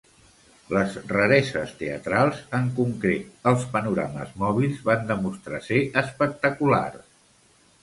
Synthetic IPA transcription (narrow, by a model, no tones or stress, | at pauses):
ləzrəɾɛzəst̪eə̰t̪ɾalˠzəŋkuŋkɾet̪̚əlˠspənuɾa̰məzmɔβ̞ilˠzβand̪əmust̪ɾaseʔəspək̚t̪əkula̰r